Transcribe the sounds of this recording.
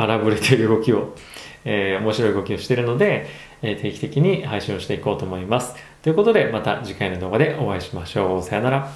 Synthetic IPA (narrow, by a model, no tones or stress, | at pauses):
aɾabɯ̟ɾe̞t̪eiɾɯɯɡo̞kʲio̞ | eo̞mo̞ɕiɾo̞iɯɡo̞kʲioɕi̥t̪e̞ɾɯ̟no̞d̪e̞ | eːt̪ʰe̞ːkʲi̥t̪e̞kʲiɲ̟ihaiɕĩoɕi̥t̪e̞iko̞ːt̪oːmo̞imasɨ̥ | t̪o̞jɯ̟ko̞t̪o̞d̪e̞mat̪a̰ʑikaino̞d̪o̞ːɡad̪e̞ʔo̞βaiɕi̥maɕo̞ːsajanaɾa